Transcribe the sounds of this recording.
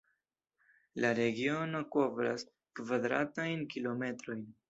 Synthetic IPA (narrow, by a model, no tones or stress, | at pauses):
laɾe̞ɡio̞no̞ko̞vɾa̰s | kvadɾa̰tajnkilo̞me̞tɾo̞jn